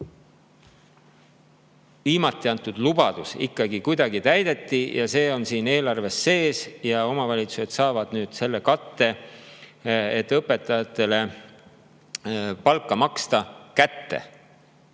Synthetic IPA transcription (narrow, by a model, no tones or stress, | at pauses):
viːmɑt̪ˑːiɑnt̪ːˑud̪̥lub̥ɑd̪̥usḭkːɑɡikujd̪̥ɑɡit̪æjd̪̥e̞t̪ˑːijʔɑse̞ːo̞nsiːne̞ːlɑrve̞sːe̞ːsjɑo̞mɑvɑlʲit̪su̥se̞d̪̥sɑːvɑd̪̥nyːd̪̥se̞lːe̞kɑt̪ːe̞ | et̪ːˑɤpːˑe̞t̪ːˑɑjɑt̪ːˑe̞le̞ | pɑlkːˑɑmɑkst̪ɑkæt̪ːe̞̰